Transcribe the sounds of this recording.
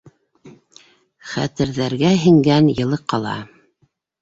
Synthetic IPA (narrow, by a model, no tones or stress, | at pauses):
χæ̰t̪ɘ̆ɾðæɾɡæɦɘ̆ŋɡænjɤ̆lˠɤqːɑlˠɑ̰